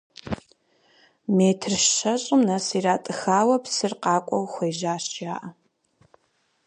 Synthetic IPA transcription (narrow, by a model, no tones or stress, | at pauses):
meːtʰrʃɐɕʼɪmnɐsiːraːtʼɨxaːwɐpsɨrqɑːkʷʼɔwxʷeːʒaːɕaːʔɐ